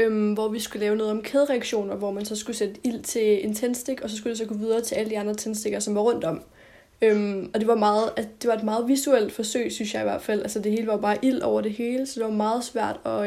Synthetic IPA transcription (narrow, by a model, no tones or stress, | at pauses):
ømʋɒʋisɡ̥ulɛːʊnɔ̽ːð̞̩ˠɒ̽mkʰeðˠʁɛaɡ̥ɕo̝̰ːnɐʋɒmænsɒ̽sɡ̥used̥əil̰t͡sʰe̝e̝nt͡sʰen̰sd̥e̝ɡ̥ɒ̽sɒ̽s̬ɡ̥ud̥e̝s̬ɒ̽ɡ̥ʰɔʋið̞ˠɐːt͡sʰe̝æləd̥iɑ̈nd̥ʁɐt͡sʰensd̥e̝ɡ̥ɐsɒ̽mʋɑ̈ʁɔ̽n̰d̥ɒ̽m̰ | ømɒ̽d̥e̝ʋɑ̈mɑ̈ːð̩ˠæd̥e̝ʋɑ̈e̝d̥mɑ̈ːð̞̩ˠʋisuel̰d̥fɒ̽sø̰ɪ̰synsjɑ̈ɪiʋæɐd̥fæl̰ælsəd̥e̝ɦe̝ːləʋɑ̈jo̝b̥ɑ̈ːʔil̰ɒʊ̰ɐd̥e̝he̝ːləsɒ̽d̥e̝ʋɑ̈mɑ̈ːð̞̩ˠsʋæɐ̰d̥ɒ̽